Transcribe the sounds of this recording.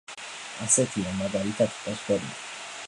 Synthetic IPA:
asɛt̪ʰiamaɡalit̪ʰad̪̥pʼɔsk̪ɔɾa

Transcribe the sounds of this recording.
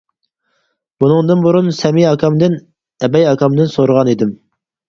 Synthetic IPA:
bunɨŋd̪ɨnbuɾunsɛmiɑkʰɑmd̪ɪn | ɛbɛjɑkʰɑmd̪ɪnsoɾəʁɑnid̪ɪm

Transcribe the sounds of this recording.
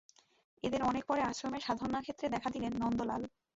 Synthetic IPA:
ed̪eɾɔnek̚pɔɾeaʃɾomeʃad̪ʱoɾnakʰet̪ːɾed̪ɛkʰad̪ilenːɔnd̪ola̰l

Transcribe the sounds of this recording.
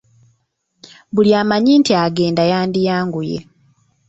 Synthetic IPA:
buljaːmaɲiːntiaɡe̞ːndajaːndijaːŋɡujḛ

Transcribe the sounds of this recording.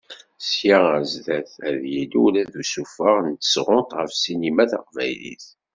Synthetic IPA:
sjiæzðæθæðjilulæðusufəʁnt̪ə̥sʁot̪ʁəfsinimæθa̰qvæ̰jlḭθ

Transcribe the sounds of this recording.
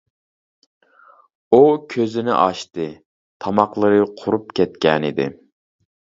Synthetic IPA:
ukʲʰøzɪnɪ̰ʔɑʃt̪ɨ | t̪ʰɑmɑqlˠɨɾɨqʰʊɾupkʲʰɛt̪kʲɛnɪd̪ɪ̰

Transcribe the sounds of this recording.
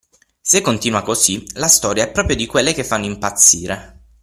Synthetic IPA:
sekːont̪iːnwakosilast̪ɔːɾjaɛpːɾɔːpɾjod̪ikwelːek̟efːanːimpat̪sːiːɾe

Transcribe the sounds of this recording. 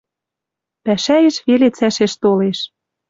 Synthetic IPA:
pæʃæjĕʃβelet͡sæʃeʃt̪oleʃ

